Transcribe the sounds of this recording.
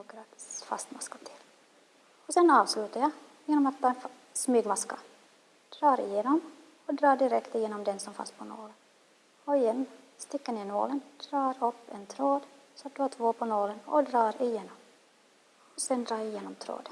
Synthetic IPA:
oɡɾat̪fa̰st̪maskḁt̪ʰɪl | ɔsɛnɑːvslʉ̟ːt̪ajɑ | jeːnɔmat̪̚ʰːɑːn | smyːɡmaska | d̪̥ɾɑːɾɪ̰jeːnɔm | ɔd̪ɾɑːɖɪɾɛkt̪ɪjeːnɔmd̪ɛnsɔmfa̰nspʰɔno̰ːlən | ɔɪjɛnːst̪ɪkːənɛno̰ːlənd̪̥ɾɑːɾɵpːɛnt̪ʰɾoːd̪ | sɔat̪̚d̪at̪ʰvoːpʰɔnoːlənɔ̰d̪ɾɑːɾɪjeːnɔm | ɔsɛnd̪ɾɑːɾjɪjeːnɔmt̪ʰɾo̰ːd̪

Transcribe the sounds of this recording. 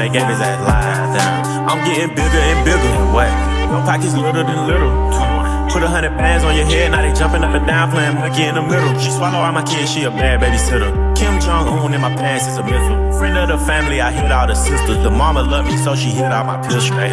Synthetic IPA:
ɨɡẽɪ̃mĩzæla̰ɪ | dæ | ãɪ̃mɡɛɾɪ̃ŋbɪɡəɨ̃nbɪɡl̩ˠɪ̃weɪ | wõfaɪk̚ɨzlɪɾəɾɨ̃nlɪɾl̩ˠtʰ | pʰʊɾəɦʌ̃ndɹɨd̚pʰæ̃nzn̩jə˞ɦɛɨ̃naɪɾɨd͡ʒʌ̃mpɪ̃ŋʌp̚ɨ̃ndãʊ̃npʰl̥æ̃ɪ̃nmɡɪ̃ɾɪ̃nəmɪɾl̩ˠʃiswakoãɪ̃maɪkʰɪ̃nʃiəmɛbɛbisɛɾʌkʰɪ̃md͡ʒɑ̃ŋõ̰ʊ̃nlɨ̃maɪpʰɛ̃nsɨzəmɪt͡ʃl̩ˠfɹɛ̃ndʌðəfæ̃ml̩ˠiaɪɦiɾaʊɾɨsɪstəðəmɑməlʌtmisolˠʃihɪɾaʊmaɪpʰɪsɛ

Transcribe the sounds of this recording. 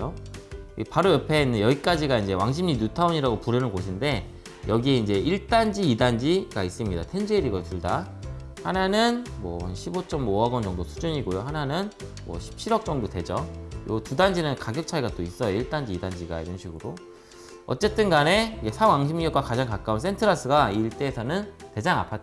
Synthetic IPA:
oiepaɾojʌpʰeinːɯjʌɡik͈ad͡ʑiɡaind͡ʑe̞waŋɕ̬ʰimɲinutʰaoɲiɾaɡopuɾjʌnɯnɡoɕ̬ʰinde̞ | jʌɡie̞ind͡ʑe̞iɭt͈and͡ʑiːdand͡ʑiɡais͈ɯmɲida̰tʰend͡ʑeɾiɡʌtuɭda | hananɯnmwʌanɕʰibot͡ɕ͈ʌmoaɡʌnd͡ʑʌŋdosʰu̥d͡ʑuɲiɡojohananɯn | mwʌ̰ɕʰi̥p̚ɕʰiɾʌk̚t͡ɕ͈ʌŋdote̞d͡ʑʌjo̰tudand͡ʑinɯnkaɡjʌk̚t͡ɕʰaiɡat͈ois͈ʌjoiɭt͈and͡ʑiːdand͡ʑiɡa̰ḭɾʌnɕʰiɡɯɾo | ʌ̰t͡ɕ͈e̞t͈ɯnɡane̞ike̞sʰaɡwaŋɕ̬ʰimijʌk͈wakad͡ʑaŋkak͈auns̬ʰe̞ntʰɯɾas͈ɯɡaiɭt͈e̞ːsʰʌnɯnted͡ʑaŋa̰pʰat͈̚ːa

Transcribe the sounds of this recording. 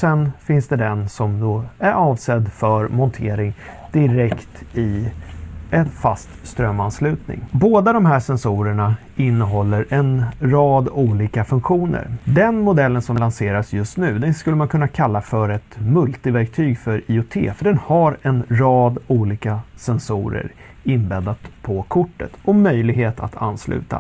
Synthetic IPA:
sɛnfɪnsd̪ɛd̪ɛnsɔmd̪ɔæɾʔɑːvsɛd̪ːfœɾmɔnt̪ʰeːɾɪŋ | d̪̥ɪɾɛkt̪ɪ | ɛnfa̰st̪st̪ɾœmːanslʉ̟ːt̪nɪ̰ŋboːd̪ad̪ɔmhæːʂɛnsuːɾəɳa | ɪnːəɦɔlːəɾʔɛnɾɑːd̪uːliːkafɵŋkɧuːnə̰ɾd̪ɛnmʊd̪ɛlːənsɔmlanseːɾasjɵst̪nʉ̟ːd̪ɛnskɵlːəmankʰɵnːakʰalːafœɾɛt̪mɵlt̪ɪvæɾk̚t̪ʰyːɡfœɾiːʊt̪ʰḛːfœɖɛnhaɾɛnɾɑːd̪uːliːkasɛnsṵːɾə̰ɾ | ɪnbɛd̪ad̪pʰɔkʰʊʈːə̰t̪ɔmœjlɪɡɦeːt̪a̰t̪ʰa̰nːslʉ̟̰ːt̪a̰

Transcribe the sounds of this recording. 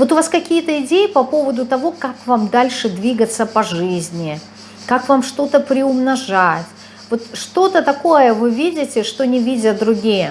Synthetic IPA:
vo̞t̪ʊvaskɐkʲijət̪əɪdʲejɪpɐpo̞vəd̪ʊt̪ɐvo̞kakvamd̪alʲʂɨd̪vʲiɡət̪səpɐʐɨzʲnʲɪ | kakvamʂt̪o̞t̪əpɾʲɪʊmnɐʐatʲ | vo̞t̪ʂt̪o̞t̪ət̪ɐko̞jəvɨvʲidʲɪtʲɪʂt̪o̞nʲɪvʲidʲəd̪ɾʊɡʲijə

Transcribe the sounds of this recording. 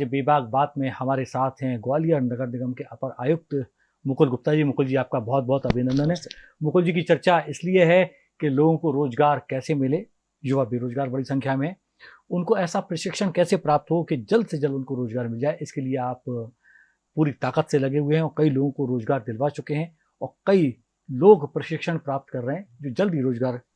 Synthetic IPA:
ebeːbʱaːɡ̚baːt̪mẽhɐmaːɾesaːt̪ʰɦɛ̃ɡwaːlijəɾnɐɡəɾnɪɡəmkeʔapəɾaːjʊk̚t̪ | mʊkʊlɡʊp̚t̪ad͡ʒiːmʊkʊld͡ʒiaːp̚kabɔɦt̪̚bɔɦɔt̪ɐbʱɪnə̃nd̪ənɦɛː | mʊkld͡ʒikit͡ʃɐɾt͡ʃaɪslieɦɛ | keloːɡõkoɾoːzɡaːɾkɛːsemɪle | jʊʋabeːɾoːd͡ʒɡaːɾbɐɽisɐ̃ŋkʰjamẽɦɛ̃ː | ʊnkoɛːsapɾɐʃɪkʃəɽ̃kɛːsepɾaːp̚t̪ɦoked͡ʒɐld̪sed͡ʒɐlʊnkoɾoːd͡ʒɡaːɾmɪld͡ʒaːeʔɪskelieaːp | puːɾit̪aːqət̪selɐɡeɦʊeɦɛ̃ɔːɾkɐiloːɡõkoɾoːzɡaːɾd̪ɪlʋat͡ʃʊkeɦɛ̃ | ɔːɾkɐi | loːɡpɾɐʃɪkʃəɽ̃pɾaːp̚t̪kɐɾːəɦɛ̃d͡ʒoːd͡ʒɐld̪iɾoːd͡ʒɡaːɾ

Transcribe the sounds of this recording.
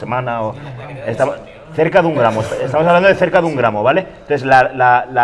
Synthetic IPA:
emãnaoest̪am | θe̞ɾkaðuŋɡɾamoest̪aest̪amos̬aβland̪e̞θeɾkaðuŋɡɾamoβale̞t̪onθeslalala

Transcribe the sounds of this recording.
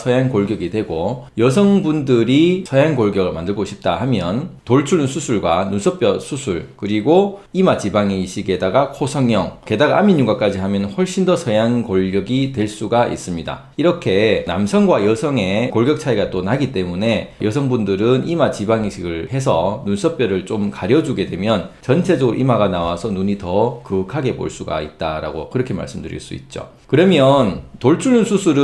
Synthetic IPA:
sʰʌjaŋkoɭɡjʌɡitwe̞ɡojʌs̬ʰʌŋbundɯɾisʰʌjaŋkoɭɡjʌɡɯɭmandɯɭɡoɕʰip̚t͈ahamjʌntoɭt͡ɕʰuɭɯnsʰusʰuɭɡwa̰nusʰʌp͈jʌsʰusʰuɭkɯɾiɡoimat͡ɕibaŋiɕʰiɡe̞daɡakʰosʰʌŋjʌŋke̞daɡa̰miɲuɡak͈ad͡ʑihamjʌnhʌɭɕ͈indʌsʰʌjaŋkoɭɡjʌɡitwe̞ɭs͈uɡaʔḭs͈ɯmɲida̰ | iɾʌkʰe̞na̰msʰʌŋɡwajʌsʰʌŋe̞koɭɡjʌk̚t͡ɕʰaiɡat͈onaɡit͈e̞mune̞jʌsʰʌŋbundɯɾɯnimat͡ɕibaŋiɕʰiɡɯɭhe̞s̬ʰʌnunsʰʌp͈jʌɾɯɭt͡ɕ͈omkaɾjʌd͡ʑuɡe̞dwe̞mjʌnt͡ɕʌnt͡ɕʰe̞d͡ʑʌʔimaɡanawasʰʌnuɲitʌkɯkʰaɡe̞bo̰ɭs͈uɡa̰it̚t͈aɾa̰ɡo̰kɯɾʌkʰe̞ma̰ɭs͈ɯmdɯɾḭɭs͈ṵḭt̚t͡ɕ͈o̰ | kɯɾʌmjʌntoɭt͡ɕʰuɭnunsʰusʰuɾɯ

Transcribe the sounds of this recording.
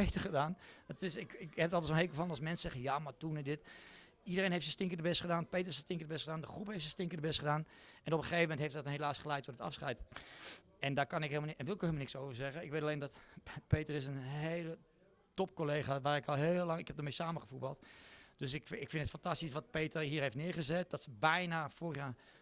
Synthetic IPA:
etəχədaːnətɪsɪkɪkhɛp̚tɔlˠdəsonɦejkəfɔlˠənɑlsmɛnsəsɛɣəjamatunɛdɪt | idərẽːnɦeɪftsəstɪŋkədəbɛstχədaːnpejtərɪsəstɪŋkədəbɛstχədaːndəxrupheːftsəstɪŋkədəbɛstχədaːnɛnopəxeːvəmɛntɦeɪftdɔtnhelaːsχəlɛjtodətɑ̰fsχɛ̰jt | ɛndakanɪkɦeːlˠmɛnʋɪlɪkhelmnɪksowvərzɛɣəɪkʋeːtaleːndɔtpeːtərɪs̬ənɦeːlə | top̚koleːχaʋaːɾɪkɔlˠɦeːlːaŋɪkhɛp̚dəmejsaːməχəfubɑlˠtd̥øsɪkɪkfɪndətfantastisʋɔt̚peːtərɦiːrheftnɪːɹɣəzɛt̚d̥ɔtsəbɛjnafoːrəχjaː

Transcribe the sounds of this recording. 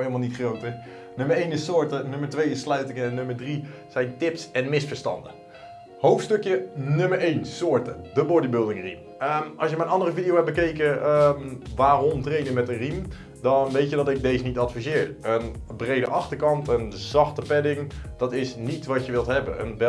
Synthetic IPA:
helˠmalˠnitχrowtə | nøməɹejnɪsʊːɹtənøməɹtʋejɪslœɥtɪkənøməɹdri | sɛjntɪpsɛnmɪsfəɹstɑ̰ndə | howftstøkjənøməɹejnsoːɹtədəbɔdibʏlˠdɪŋrḭm | əɑ̰lˠsjəmɛjnɑndərəfidijowɛp̚bəkejkəəʋaːrɔmtrejnəmɛtənrim | dɔnʋejtjədɔtɪk̚deːzənitɑtfizɪːɹənbrejdəʔɑxtəɹkɑntənzɑxtəpɛdɪŋd̥ɑtɪsnitʋɑtjəʋɪlˠtɦɛbə̰ə̰nʋɛ

